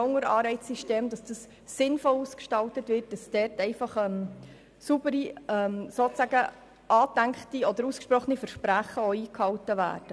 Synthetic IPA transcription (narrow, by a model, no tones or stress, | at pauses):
ɔŋəɾɑːɾɛɪtsiʃteːmd̪ɑsd̥ɑsː | ɪnfɔluːskʃtɑltətʋɪrt̚d̥ɑsd̥ɛɾtɛɪfɑχɛm | subəɾiɛmsoːt͡sæɡə | ʔɑːdæŋktiɔd̥̪əɾuːskʃpɾɔχənifəɾʃpɾæχəɔiːkhɑwtəʋæ̰ːɾd̥ə